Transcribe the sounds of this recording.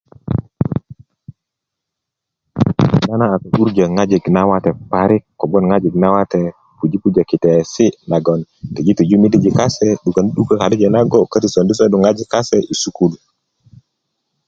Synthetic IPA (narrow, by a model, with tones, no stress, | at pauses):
na˦na˦a˨ta˨ʔu˦ɾd͡ʒa˨ŋa˦d͡ʒi˨ɡna˦wa˦te˨pa˨ɾi˦kːo˨bo˦nŋa˦d͡ʒi˨ɡna˦wa˦te˨ | pu˨d͡ʒi˦pu˦d͡ʒa˨ki˨te˨si˦na˨ɡo˨nte˨d͡ʒi˦ti˨d͡ʒu˦mi˦di˦d͡ʒi˨ka˦se˦ɗu˨ka˨ni˦ɗu˦ka˦˨ka˨di˦d͡ʒe˨na˦ɡo˦ka˦ti˨so˨ndi˦s̬o˦ɗu˨ŋa˦d͡ʒi˨ka˦se˦i˨su˦ku˦l